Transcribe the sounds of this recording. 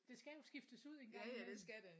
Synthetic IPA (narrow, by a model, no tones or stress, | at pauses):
d̥e̝sɡ̥æjo̝sɡ̥ifd̥əsuð̞̰ˠenɡ̥ɑŋdesɡ̥æde